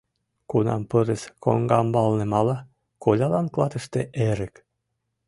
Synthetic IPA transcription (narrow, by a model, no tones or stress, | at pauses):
kunɑ̰mpɤɾesko̰ŋɡɑmbɑlnemɑlɑ | kolʲɑlɑnklˠɑt̪ɤ̆ʃt̪eʔeɾek